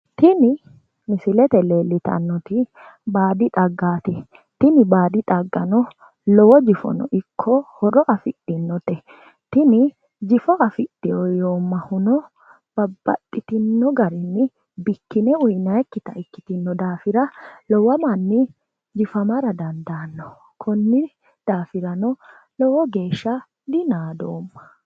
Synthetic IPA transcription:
t̪ɪnɪ | mɪsɪlɛt̪ɛleːlːɪt̪ɐ̰nːɔt̪ɪ | baːd̪ɪᶑ̪ʼɐɡːaːt̪ɛ | t̪ɪnɪbaːd̪ɪᶑ̪ʼɐɡːɐnɔ | lɔwɔd͡ʒɪfɔ̰nɔ̰ʔɪkʰːɔhɔɾɔʔɐfɪᶑːɪnːɔt̪ɛ | t̪ɪnɪ | d͡ʒɪfɔʔɐfɪᶑɪɔjoːmːɐhʊnɔ | b̥ɐbːɐt̪ʼːɪt̪ɪnːɔɡɐɾɪnːɪ | bɪkːɪnɛʊjnɐɛkːɪt̪ɐɪkːɪt̪ɪnːɔd̪aːfɪɾɐlɔwɐmɐnːɪ | d͡ʒɪfɐmɐɾɐd̪ɐnd̪aːnːɔ | kʰɔnːɪ | d̪̥aːfɪɾɐnɔ | lɔwɔɡe̞ːʃːɐ | d̪ɪnaːd̪oːmːɐ̥

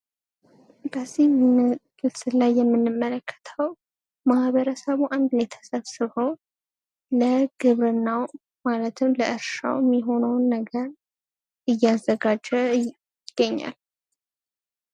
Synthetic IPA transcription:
bəzːihmmɨɡɨlsɨlajːɛmːɨnːɨmːələkʰːə̥t̪ʰəw | mahβəɾəsəβuʔand̪be̞t̪ʰə̥sʼəβsɨho̞n | ləɡ̥ɨβɾɨnːaw | malət̪ʰɨmləʔɨɾʃa̰wɛmːiɦo̞nəwnːəɡəɾ | ɨjːazːəɡad͡ʒːɛ | ɡ̥ːəɲːa̰l

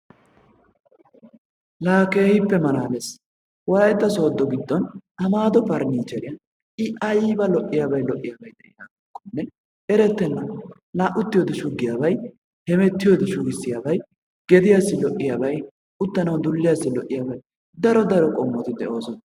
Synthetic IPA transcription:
laːkeːhɪpːɛmɐɾaːlɛs | wɐɾɐjɛt̪ːɐso̞ːd̪ːɔɡɪd̪ːɔnɐmaːd̪ɔpɐɾniːd͡ʒɛɾɪjɐ | ʔɪʔɐjiːbɐlɔʔɪjaːbɐjlɔʔːɪjaːbɐjd̪ɛʔɪnaːɡɔkːɔnːɛ | ʔɛɾɛt̪ːɛnːɐ | laːʔʊt̪ːɪjoːd̪ɛʃʊɡːɪjaːbɐj | hɛmɛt̪ːɪjoːd̪ɛʃʊɡɪsːɪjaːbɐj | ɡ̥ɛd̪ɪjasːɪlɔʔːɪjaːbɐj | ʊt̪ːɐnɐwd̪ʊlːɪjasːɪlɔʔːɪjaːbɐj | d̪ɐɾɔd̪ɐɾɔkʼɔmːɔt̪ɪd̪ɛʔo̞ːsɔn

